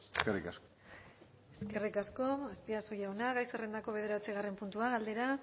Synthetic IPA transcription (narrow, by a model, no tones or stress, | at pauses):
kerikasko | eske̞rikasko̞aspiasojawnaɣajserend̪ako̞β̞e̞ð̞e̞ɾat͡siɣare̞mpunt̪uaɣald̪e̞ɾa